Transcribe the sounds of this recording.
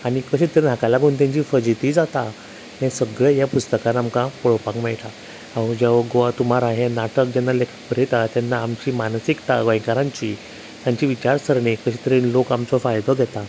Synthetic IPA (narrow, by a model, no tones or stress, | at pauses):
aɽ̃ikəɕit̪əɾenɦakalaɡʱuːnt̪̬jãɲt͡ɕiːfəd͡ʑit̪iːd͡zat̪a | ɦɛ̃səɡɭjɛjapust̪əkãnamkãpɔɭɔpãkmɛɭt̪a | aod͡ʑaʋəɡoʋat̪um̤aɾaɦenaʈəkd͡ʑɛnːalekʰə̥pəɾet̪at̪janːaːmt͡ɕiːmansikt̪aɡə̃jkaɾãɲt͡ɕiː | t̪jaɲt͡ɕiːʋit͡ɕaɾsəɾɳekəɕit̪əɾinlokamt͡sɔfajd̪ɔɡʱjɛt̪a